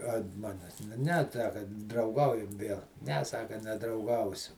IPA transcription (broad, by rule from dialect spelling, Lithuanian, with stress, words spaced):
ɐnt ˈmɑːnʲɛs nʊ nʲɛ ɐtˈsɑːkɐ drɐʊˈɡɐʊjɛm ˈʋʲeːlˠ nʲɛ ˈsɑːkɐ nʲɛdrɐʊˈɡɐʊsʲʊ